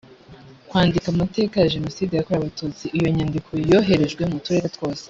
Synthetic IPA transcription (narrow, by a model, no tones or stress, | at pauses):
kwaːndikamate̞ːkajaʒe̞no̞siːdejakoɾaβatuːt͡siːjo̞ɲandikʰo̞jo̞ːɦe̞ɾe̞ʒɡwe̞mutuɾe̞ːɾetwo̞ːse̥